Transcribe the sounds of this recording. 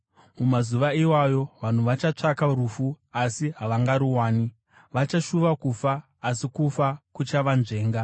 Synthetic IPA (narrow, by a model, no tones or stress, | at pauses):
mumazuʋaiwajo̞ʋan̤uʋat͡ʃat͡ʂakaɾufu | asiɦaʋaŋɡaɾuwaːni | ʋat͡ʃaʃuʋakufaː | sikufakut͡ʃaʋanʐe̞ːŋɡa